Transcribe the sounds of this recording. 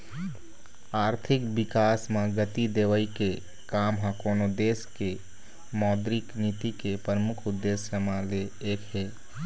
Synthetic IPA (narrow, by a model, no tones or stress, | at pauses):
aːɾt̪ʰɪkbɪkaːsmãɡət̪id̪eːʋəike | kaːmɦãkoːnod̪eːske | mɔːd̪ɾɪkniːt̪ikepɾəmʊkʰʊd̪ːeːsjəmãleeːkɦeː